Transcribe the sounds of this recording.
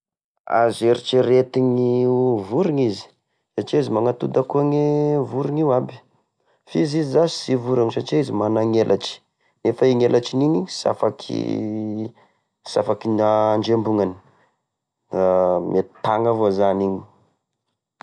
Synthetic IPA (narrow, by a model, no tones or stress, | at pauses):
a̰zeɾiʈ͡ʂiɾet̪iŋivuɾiŋizi̥ | saʈ͡ʂiizimaŋat̪ud̪akuaŋevuɾiŋiwabi̥ | fizizizasi̥sivuɾaŋisaʈ͡ʂiizimanaŋelʔa̰t͡ʃi̥ | nefaiŋelat͡ʃiniɲisa̰fakʰḭ | sa̰fakinaɳd͡ʒembuŋani̥ | mʔet̪aŋavozaniɲi̥